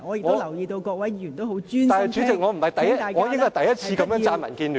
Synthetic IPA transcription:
ŋɔː˨˧jɪ˨kŋɔ˨o˧˥lɐ˨˩wjiː˧t̪o˧wkɔː˧k̚wɐ˨˥jːjy˨˩nt̪o˥wɦwt͡syː˥aː˨hɛ˨˩t͡ʃy˨˥t͡sɪ˨k̚ŋɔː˨˧m̩˨˩hɐ˨jt̪ɐ˨jɐ˥t̚ːŋɔː˨˧jɪ˥ŋkɔ˥jt̪ɐ˨˩jɐ˥t̚t͡sʰiː˧kɐ˨˥mjœː˨˧ŋt͡saː˧nmɐ̰˨˩nkiː˧nlyː˨

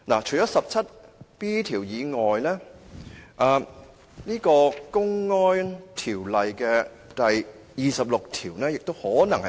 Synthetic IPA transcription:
na̰˨˩t͡ʃʰɵ˨˩jt͡ʃɔː˨˥sɐ˨p̚t͡sʰɐ˥t̚piː˥t̪ʰiː˨˩wjiː˨˧ŋɔː˨jlɛː˥ | ʔɐː˨˧ | niː˥kɔː˧kʊ˥ŋːɔː˥nt̪ʰiː˨˩wlɐ˨jkɛː˧ | t̪ɐ˨j | jiː˨˧sɐ˨p̚lʊ˨k̚t̪ʰiː˨˩wnɛː˥jɪ˨k̚t̪o˥whɔː˨˥nɐ˨˩ŋhɐ˨

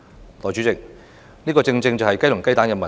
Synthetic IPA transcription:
lɔː˨˩jt͡ʃy˨˥t͡sɪ˨k̚ | niː˥kɔː˧t͡sɪ˧ŋt͡sɪ˧ŋt͡sɐ˨hɐ˨jkɐ˥jlʊ˨˩ŋkɐ˥jt̪aː˨˥nkɐ˨mɐ˨

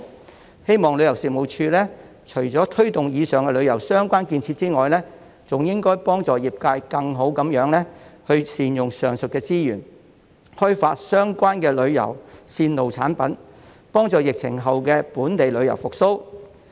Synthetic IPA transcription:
he˥jmɔː˨ŋlɵ˨˧ɥjɐ˨˩wsiː˨mo˨wt͡ʃʰyː˧lɛː˥ | t͡ʃʰɵ˨˩ɥt͡sɔː˨˥t̪ʰɵ˥ɥt̪ʊ˨ŋjiː˨˧sœː˨ŋkɛ˧lɵ˨˧ɥjɐ˨˩wsœː˥ŋkʷaː˥nkiː˧nt͡sʰiː˧t̚t͡siː˥ŋɔː˨jlɛː˥ | t͡sʊ˨ŋjɪ˥ŋkɔː˥jpɔː˥ŋt͡sɔː˨jiː˨p̚kaː˧jkɐ˧ŋɦo˨˥wkɐ˨˥mjœː˨˥ŋlɛː˥hɵ˧ɥsiː˨njʊ˨ŋsœː˨˩ŋsɵ˨t̚kɛː˧t͡siː˥jyː˨˩n | hɵ˥faː˧t̚sœː˥ŋkʷaː˥nkɛː˧lɵ˨˧ɥjɐ̰˨˩wsiː˧nlo˨wt͡sʰa̰ː˨˥npɐ˨˥n | pɔː˥ŋt͡sɔː˨˧jɪ˨k̚t͡sʰɪ̰˨˩ŋɦɐ˨wkɛː˧puː˨˥nt̪e˨jlɵ˨˧ɥjɐ˨˩wfʊ˨k̚so˥w

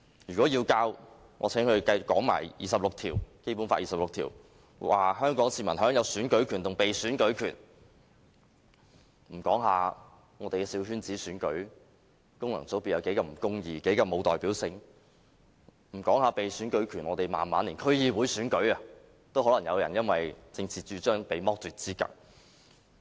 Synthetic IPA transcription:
jyː˨kɔː˨˥jiː˧wkaː˧w | ŋʔɔ̰ː˨˧t͡sʰɛ˨˥ŋhɵ˧kɐ˧jkɔː˨˥ŋma̰ː˨˩jjiː˨˩sɐ˨p̚lʊ˨k̚t̪ʰiː˨˩wke˥jp̬uː˨˥nfaː˧˥ʔiː˨sɐ˨p̚lʊ˨k̚t̪ʰḭː˨˩w | wa̰ː˨hœː˥ŋkɔː˨˥ŋsiː˧mɐ˨˩nhœː˨˥ŋjɐ˨˧wsyː˨˥nkɵ˨˥ɥkʰyː˨˩nt̪ʊ˨ŋpe˨jsyː˨˥nkɵ˨˥ɥkʰyː˨˩n | m̩˨˩kɔː˨˥ŋɦaː˨˧ | ŋɔː˨˧t̪e˨jkɛː˧siː˨˧wɦyː˥nt͡siː˨˥syː˨˥nkɵ˨˥ɥ | kʊ˥ŋlɐ˨˩ŋt͡so˨˥wpiː˨˧tjɐ˨˧wke˨˥jkɐ˧m̩˨˩kʊ˥ŋjiː˧ke˨˥kɐ˨˧mo˨˧wt̪ɔː˨jpiː˨˥wsɪ˧ŋ | m̩˨˩kɔː˨˥ŋhaː˨˧pe˨jsyː˨˥nkɵ˨˥ɥkʰyː˨˩nŋɔː˨˧t̪e˨jma̰ː˨nma̰ː˨˥nliː˨˩nkʰɵ˥ɥjiː˨˧wuː˨˥jsyː˨˥nkɵ˨˥ɥɐ˨ | t̪o˥whɔː˨˥lɐ˨˩ŋjɐ˨˧wjɐ̰˨˩njɐ˥nwɐ˨jt͡sɪ˧ŋt͡sʰiː˨t͡ʃyː˨˧t͡ʃœː˥ŋpe˨jmɔː˥k̚t̪yː˨t̚t͡siː˥kɐ̰˨ŋ̚

